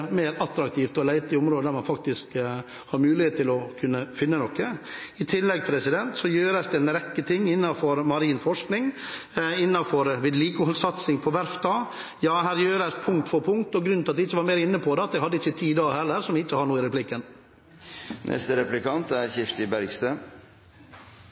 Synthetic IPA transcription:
mæɪɾɑt̪ɾɑk̚t̪ʰiːft̪ɔlæɪt̪ɪʊmɾoːd̪əd̪æɾmɑnfɑk̚t̪ɪsk | hɑɾmʉːlɪheːt̪t̪ʰːɪlɔkʰʉnːəfɪnːənɔkːəɪt̪ʰɪlːɛɡ̚t̪ʰɾɛsɪd̪ɛnt̪sɔjøːɾəsd̪ɛɛnɾɛkːət̪ʰɪŋːɪnːɑfɔɾmɑɾiːnfɔʂknɪŋ | ɪnːɑfɔɾʋɪd̪liːkəhɔlsɑt̪sɪŋpʰɔʋæɾfd̪ɑː | jɑːɦæːɾjøːɾəspʰʊŋkt̪fɔɾpʰʊŋkt̪ɔɡɾʉnɪlɑt̪ɪɪt͡ʃːəʋɑːɾmeːɾəɪnːəpʰɔd̪ɛɑt̪̚d̪ɛhɑd̪ːəɪt͡ʃːət̪ʰiːd̪ɑːɛlːəɾsɔmʋɪɪt͡ʃːəhɑɳuːɪɾɛplɪkːən | nʔɛ̰st̪əɾɛplɪkɑnt̪æɾçɪft̪ɪbæɾɡst̪ø

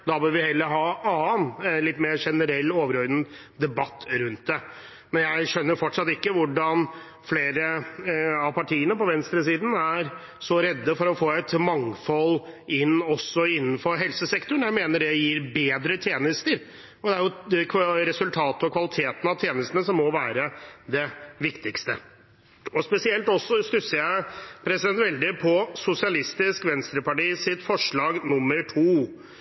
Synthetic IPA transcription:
d̪ɑbøːɾʋɪhɛlːəɾɦɑːɑːnlɪt̪ːmeːɾʂɛnəɾɛlːoːʋəɾɔɾd̪ən̩ | d̪ɛbɑt̪ːɾʉnt̪̚d̪ɛ | mɛnjæɪʂœnːəɾfɔʈʂɑt̪ːɪkːəʋʊɖɑn | fleːɾə | ɑʋpʰɑʈʰiːənəpɔʋɛnst̪ɾəsiːd̪n̩æɾ | sɔɾɛd̪ːəfɔɾɔfoːɛt̪mɑŋfɔlɪnːɔsːɔɪnːnfɔɾɦɛlsəsɛkt̪ʊɳ̩jæɪmeːnəɖɛjiːɾbeːd̪ɾət̪ʰjeːnəst̪əɾ | ɔd̪ɛæɾjʊkʰɾɛsʉlt̪ʰɑːt̪əɔkʰʋɑlɪt̪ʰeːt̪n̩ɑʋt̪ʰjeːnəst̪ənəsɔmːɔʋæːɾəd̪ɛʋɪkt̪ɪkst̪ə | ɔspɛsɪɛlt̪ɔsːɔst̪ʉsːəjæɪpʰɾɛsɪd̪ɛnt̪ʋɛld̪ɪpʰɔsʊsɪɑlɪst̪ɪskʋɛnst̪ɾəpɑʈiːsɪt̪fɔʂɭɑːɡnʊmːəɾʈʰuː

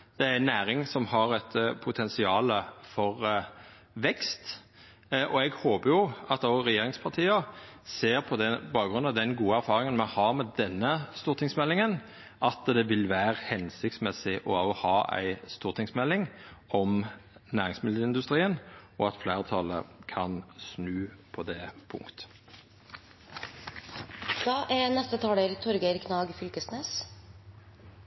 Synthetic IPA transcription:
d̪̥ɛæɾnæːɾɪŋsɔmhɑɾɛt̪pʰʊt̪ʰɛnsɪɑːləfɔʁ | ʋɛkst̪ | ʔɔɛɡhoːbəjʊɑt̪oɾɛjeːɾɪŋspʰɑʁt̪ʰiːɑseːɾpʰɔd̪ɛbɑːkɡʁʉnɑd̪ɛnɡuːəæɾfɑːʁɪŋənmɛhɑɾmɛd̪ɛnːəst̪uːʁt̪ʰɪŋsmɛlːɪŋən | ʔɑt̪d̪ɛʋɪlʋæːɾhɛnsɪk̚t̪smɛsɪʔɔhɑːʔæ̰ɪst̪uːʁt̪ʰɪŋsmɛlːɪŋɔmnæːʁɪŋsmɪləɪnd̪ʉst̪ɾʁiːənɔɑt̪flæːʁət̪ʰɑlə̰kʰɑnsnʉːpʰɔd̪ɛːpʰʊ̰ŋkt̪ə̥ | d̪̥ɑːʔæɾnɛst̪ət̪ʰɑːleːɾt̪ʰɔɾɡəɾkʰnɑːɡfʏlkəsneːs

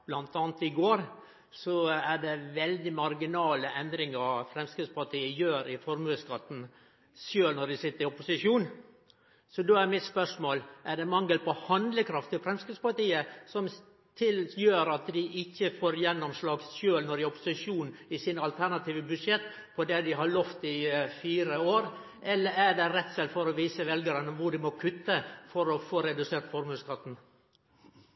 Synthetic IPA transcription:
b̥lɑnt̪ɑːnt̪ɪɡoːɾ | sɔæɖɛʋɛld̪ɪmɑɾɡɪnɑːləʔɛnd̪ɾɪŋəɾfɾɛmskɾɪd̪spɑʈʰiːəjøːɾɪfɔɾmʉːəskɑt̪ːn̩ | sjøːlnɔɖɪsɪt̪ːəɾɪɔpʊsɪʂuːn | sɔd̪oːæɾmɪt̪spœʂmoːlʔæɖɛmɑŋːəlpɔhɑnd̪ləkʰɾɑft̪ʰɪlfɾɛmskɾʉd̪spɑʈ̪iːəsɔm | t̪ʰɪljøːɾɑt̪d̪ɪʔɪçːəfoːɾjɛnːɔmslɑːɡsʃøːlnɔɾɪɔpːʊ̥sɪʂuːnɪsɪnɑlt̪ʰænɑt̪ʰiːʋəbʉʂɛt̪ː | pʰɔd̪ɛd̪ɪɦɑɭɔft̪ɪfiːɾəoːɾ | ʔɛlːəɾæɖɛɾɛt̪ːsɛlfɔɾɔʋiːsəʋɛlɡəɾənəʋʊɖɪmɔkʰʉt̪ːəfɔɾɔfoːɾɛd̪ʉseːɾt̪fɔɾmʉːlskɑt̪ːn̩

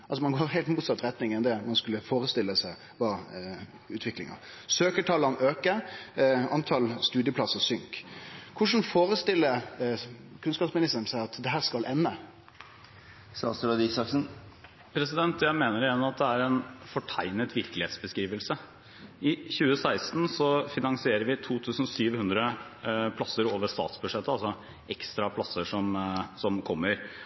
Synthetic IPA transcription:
ɑlsɔmɑnɡoːɾɦeːlt̪muːt̪sɑt̪ːɾɛt̪nɪŋənd̪ɛmɑnskʉlːəfoːɾəst̪ɪlːəsæɪ | ʋɑː | ʉːt̪ʰʋɪklɪ̰ŋə̰ | søːkəʈʰɑlɑnøːkə | ɑnt̪ʰɑlst̪ʉːd̪ɪəpʰlɑsːəsʏŋkʰːʊʂn̩foːɾəst̪ɪlːə | kʰʉnskɑːpsmɪnɪst̪əɾn̩sæɪɑt̪d̪ɛɦæːɾskɑlʔɛnːə | sɑ̰st̪əɾɑd̪isɑksn | pʰɾɛsɪd̪ɛnt̪ʰjæɪmeːnəɾɪɛnːmɑt̪̚d̪ɛæɾɛnfɔʈʰæɪnət̪ʋɪɾkəlɪeːt̪sbəskɾiːʋəlsə | ɪçʉːəsæɪst̪n̩sɔfɪnɑŋsɪeːɾəɾʋɪt̪ʰuːt̪ʰʉːsn̩syːʋhʉnd̪ɾəpʰlɑsːəɾoːʋəʂt̪ɑ̰ːt̪sbʉd̪ʂɛt̪ːəɑlsɔ | ʔɛkst̪ɾɑpʰlɑsːəʂɔmsɔmkʰɔmːəɾ

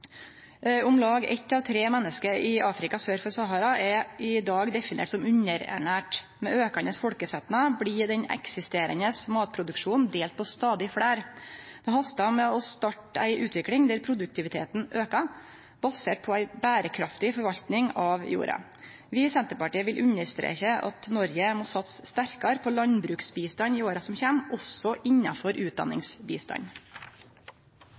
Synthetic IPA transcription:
ʊmlɑːɡɛ̰t̪ːɑʋt̪ʰɾeːmɛnːəskəɾɪɑːfɾɪkɑsøːɾfɔɾsɑɦɑɾɑɛʔɪd̪ɑːɡd̪ɛfɪnḛːʈsɔmʉɲːəɾæ̰ɳæːʈ | mɛøːkɑnəsfɔɽkəsɛt̪nɑblid̪ɛɲɛ̰ksɪst̪eːɾə̰nəsmɑːt̪̚pʰɾʊd̪ʉkʂuːnd̪eːlt̪̚pʰɔst̪ɑːd̪ɪfɽæːɾd̪̥ɛɦɑst̪ɑmɛɔst̪ɑʈːæ̰ɪʔʉːt̪ʰʋɪklɪŋd̪æɾpʰɾʊd̪ʉk̚t̪ʰɪʋɪt̪ʰḛːt̪n̩ʔøːkɑ | b̥ɑseːʈ̚pʰɔæɪbæːɾəkʰɾɑft̪ɪfɔɾʋɑʎt̪nɪŋɑʋjṵːɾɑ̰ | ʋɪːsɛnt̪əɾpɑʈiːəʋɪlʔʉɲəst̪ɾḛːçəʔɑ̰t̪nɔɾjəmoːsɑt̪sst̪æɾkɑɾpʰɔlɑnbɾʉːksbiːst̪ɑɲiːoːɾɑsɔmçeːmɔsɔʔɪɲːɑfɔɾʔʉːt̪̚d̪ɑ̰nːɪ̰ŋsbḭːst̪ɑ̰ɲ

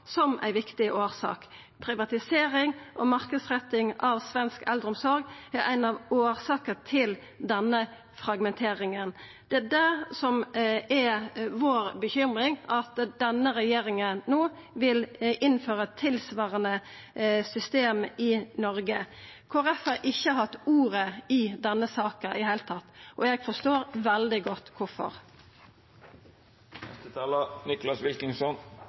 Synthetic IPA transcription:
sɔmʔæ̰ɪʋɪkt̪ɪʔoːsɑ̰ːk | pʰɾɪʋɑt̪ɪseːɾɪŋʔɔmɑʁkəd̪sʁɛt̪ːɪŋɑʋsʋɛnskɛld̪əɾʊmsɔɾɡæɾʔæ̰ɪnɑʋoːʁsɑːkət̪ʰɪl | d̪ɛnːə | fɾɑɡmɛnt̪ʰeːɾɪŋən | d̪̥ɛæd̪æsɔmɛʋoːɾbəçʏmʁɪŋɑt̪d̪ɛnːəɾɛjeːɾɪŋənnoː | ʋɪlʔɪnføːɾət̪ʰːɪlsʋɑːʁənə | sʏst̪eːmɪnɔɾɡə | kʰoːɾɛfhɑːɾʔɪçːəhɑt̪ːuːɾəɪd̪ɛnːəsɑːkəʔɪheːlt̪ʰɑt̪ːʔɔɛɡfɔst̪oːɾʋɛld̪ɪɡɔt̪ːkʰʊɾfɔ̰ɾ | nɛ̰st̪ət̪ʰɑːlənɪklɑsʋɪlkɪŋsɔn

